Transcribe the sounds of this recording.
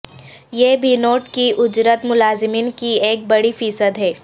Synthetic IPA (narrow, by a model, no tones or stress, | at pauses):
jebʱinoːʈkiʔʊd͡ʒɾət̪mʊlaːzɪmiːnkieːk̚bɐɽifiːsəd̪ɦɛː